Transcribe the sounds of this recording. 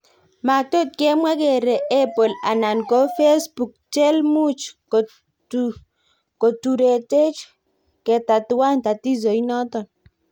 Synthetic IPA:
ma˨to˦t̚kɛ˦mwa˦ke˨ɾe˨ɛ˦po˨la̰˨na˨nko˨˦fe˦sbu˨k̚t͡ʃɛ˦lmu˦t͡ʃk | ko˨tu˨ɾe˨te˦t͡ʃ | kɛ˨ta˨tʊ˨wa˦˨nta˨ti˦zo˨i˦nɔ˦tɔ˨n

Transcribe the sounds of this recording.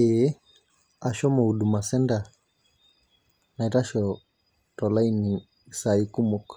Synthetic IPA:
e˦ | a˨ʃɔ˦mɔ˨u˨du˨ma˨sɛ˦nda˨ | na˨i˨ɾa˦ʃɔ | tɔ˨la˦i˦ni˨ | sa˨iku˦mok

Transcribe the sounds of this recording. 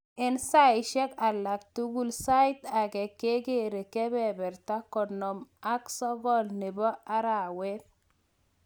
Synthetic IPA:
ɪ˦nsa˦ɪ˨ʃɛ˦ka˨lːa˨k̚tu˦ɡu˦lsa˦i˦t̪a˨kɛ˨kːe˦ɡe˦˨ɾe˨kɛ˦bɛ˨bɛ˨ɾta˦kɔ˨nɔ˨ma˦ksɔ˦ɡɔ˦lnɪ˨bɔ˦a˦ɾa˨wɛ˦t

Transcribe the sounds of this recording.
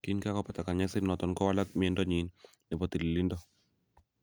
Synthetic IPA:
ki˦nka˦kɔ˦pa˨t̪a˨ka˨ɲɛ˦sɪ˦ɾnɔ˨tɔ˨nkɔ˦wa˦la˦k̚mɪ˨ɛ˦ndɔ˦ɲi˨n | nɛ˨bɔ˨t̪i˨li˨li˦ndɔ˦

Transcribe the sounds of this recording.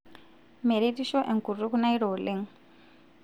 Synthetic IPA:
me˨ɾetiʃɔ˦ʔɛ˨ŋku˨ru˦ku˦na˦i˦ɾoːlɪ˦ŋ

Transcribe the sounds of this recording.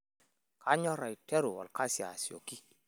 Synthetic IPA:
ka˦ɲɔ˦ɾa˨i˨tɛ˦ɾu˨wɔ̰˨lka˦si˨a̰˨si˨o̰˨ki˦

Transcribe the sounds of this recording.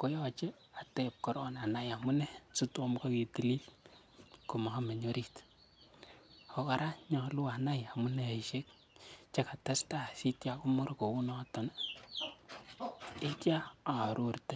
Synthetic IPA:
ko˦jɔ˦t͡ʃe˦ | a˨te˨p̚kɔ˦ɾɔ˦na˨na˦ja˨mu˦ne˦su˦twɔ˦mko˦ki˨ti˨li˦l | ko˨ma˨ha˦me˨ɲo˦ɾi˦t | o˧ka˨ɾa˦ɲɔ˨lu˦a˨na˦ja˨mu˦ne˦e˨iʃe˦k̚ | t͡ʃe˦ka˨ta˦sta˦si˦tja˨ku˦mo˦ɾko˨u˦nɔ˦tɔ˨na˦ | e˦tja˦a˨ɾu˨rte˦

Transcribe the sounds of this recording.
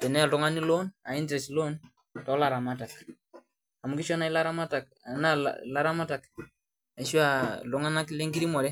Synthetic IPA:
tɛ˨nɛ˦a˨tʊ˦ŋa˦ni˦lo˦na˨i˦ndɾɛ˨slo˦n | tɔ˨˦la˨ɾa˨ma˦ta˨k | a˨mu˦ki˦ʃɔ˦na˦i˦la˦ɾa˦ma˦ta˨k̚ | na˦l̰la˦ɾa˦ma˦ta˨k | a˨ʃwa˦˨lʊ˦ŋa˦na˦kle˦ŋɡi˦ɾi˦mɔ˨lɛ˦

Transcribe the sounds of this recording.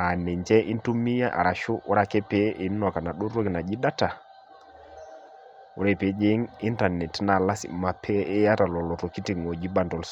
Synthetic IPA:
a˨nɛ˨ɲd͡ʒɛ˦ʔi˦ntu˦mi˦ja˦ʔa̰˨ɾa˨ʃu˦u˦ɾa˨kɛ˦pe˦ʔe˨˦n˦nɔ˨ka˨na˨ɗu˦ɾɔ˦ki˨na˨d͡ʒi˦da˦ta˨ | u˦ɾɛ˦˨pe˨˦d͡ʒe˦ŋi˦nta˨nɛ˨tna˨la˦sḭ˨ma˨pʰɛ˦ɛ˦ja˦ta˨lɔ˨lɔ˨tɔ˨ki˦ti˦˨ŋɔ˨d͡ʒi˦ba˦ndɔ˨ls

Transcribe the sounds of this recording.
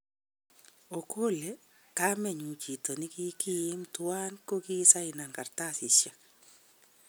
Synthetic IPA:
o˨kʰo˦le˦ | ka˦mɛ˨ɲu˨t͡ʃi˨to˨nɪ˦ki˦ki˦ɪ˦mtʊa˦nko˦ki˦sa˦ɪ˨na˨ŋɡa˨rta˦sɪ˨ʃja˨k

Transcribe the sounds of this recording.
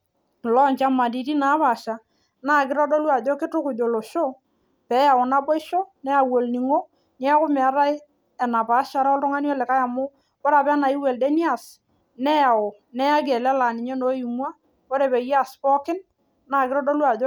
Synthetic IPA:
lɔ˦ɲt͡ʃa˦ma˨di˨ɾi˦na˨˦pa˨ʃa˨ | na˦˨kɪ˦ɾɔ˦do˦lwa˨do˦kɪ˦tʊ˦kʊ˨d͡ʒo˨lo˨ʃo˦ | pɛ˨˦ja˨ʊ˨na˦bɔ˦ɪ˦ʃo˦nɛ˦a˨wo˨lni˨ŋo˦ | n˦a˦kʊ˦mɛ˨˦ɾa˦j | ɛ˨na˨pa˨˦ʃa˨˦ɾa˦ɔ˦ltʊ˦ŋa˦njɔ˦lɛ˨ka˦ja˨mʊ˦ | kɔ˦ɾa˨pɛ˦na˨ɪ˦we˨ldɛ˦ni˦a˨s | nɛ˦ja˨ʊ˨ | nɛ˦a˦ɡɛ˨lɛ˦la˨nɪ˨ɲɛ˦no˨˦ji˨m˦a˦ | kɔ˦ɾe˨pɛ˨ja˦˨spɔ˦kɪ˦n | na˦˨kɪ˦ɾɔ˦do˦lwa˨d

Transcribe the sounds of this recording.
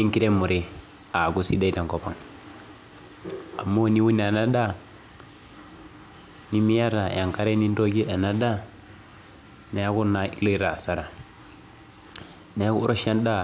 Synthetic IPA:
ni˦ŋki˦ɾe˦mːu˨ɾe˦ | a˨ɡu˦sḭ˦da˦i˦ta˨ŋko˨po˨ŋ | a̰˨mːo˦ni˦wu˦n˨a˨na˦da˦ | ni˦mi˦ja˦ɾa˨ja˨ŋka˦ɾe˦ni˦ndo˦ɡi˦a˨na˦da˦ | ne˨a˦ku˦na˨i˦lo˦i˦ɾa˨sa˨ɾa˨ | ne˨˦ku˦ɾʔo˦ʃa˦nda˦

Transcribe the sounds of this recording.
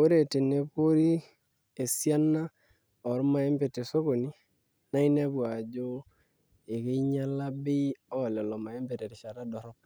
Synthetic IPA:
o˦ɾe˨tɪ˨ne˦po˦ɾi˦ | e˨sja˦na˦ | ɔ˨ɾma˨e˦mbe˨te˨so˦ɣo˨ni˦ | na˦i˦ne˦bwa˨d͡ʒo˦ | e˨kɪ˦ɲa˦la˦bɪ˦ɔ˦˨lɔ˨lɔ˨ma˨e˦mbe˨te˨ɾɪ˨ʃa˨ɾa˦dɔ˨ɾɔ˦p̚

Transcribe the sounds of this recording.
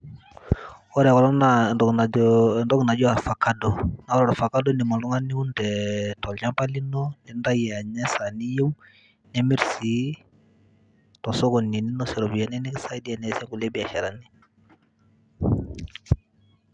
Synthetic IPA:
ɔ˦ɾkɔ˨lɔ˦na˦ndɔ˨ɡna˨ndɔ˦ɡna˨d͡ʒɔ˦a˨ɾfa˨ka˦dɔ˨na˦wɔ˦ɾɔ˨ɾfa˨ka˦dɔ˦ni˨mɔ˨ndɔ˦ŋa˦ni˦u˦ndɛ˨tɔ˨la˦mpa˦li˦nɔ˦ndɛ˦nda˦jɛ˨a˨ɲɛ˦sa˨ni˦je˦m | nɛ˦mi˦ɾsi˨˦ | tɔ˨sɔ˦kɔ˨ni˨ni˦nɔ˦sɛ˨ɾɔ˨bi˨ja˨nɛ˦ni˦ɡsa˦i˦di˦a˨nɛ˨˦sɛ˦ŋɡu˨lɛ˦bi˨a˨ʃɛ˨ɾa˨ni˦

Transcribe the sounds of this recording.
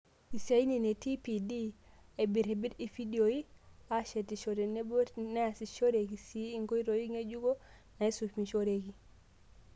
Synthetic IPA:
i˨sa˨˦i˦ni˨ne˨ti˦pi˨di˦ | e˨bi˨ɾe˨bi˦ɾi˨fi˦di˨o˨i˦a˦ʃe˨ti˨ʃo˨ɾe˨ne˦bne˦a˨si˨ʃo˦ɾe˨ɡi˨si˨˦i˦ŋɡo˦i˦ɾo˨ji˦ŋe˦d͡ʒu˦ɡo˦ | na˨i˦su˨fmi˨ʃo˦ɾe˨ɡi˨

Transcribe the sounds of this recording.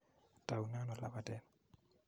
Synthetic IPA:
ta˨u˨nã˦nɔ˨la˨ba˦˨dɛ˨

